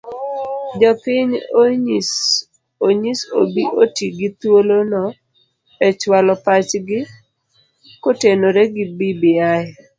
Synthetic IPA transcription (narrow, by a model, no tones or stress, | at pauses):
d͡ʒɔpɪɲ | s | oɲiso̰biʔotiɡɪt̪wolonɔ | ɛt͡ʃwalɔpat͡ʃɡɪ | kotenoɾeɡɪbibɪaɛ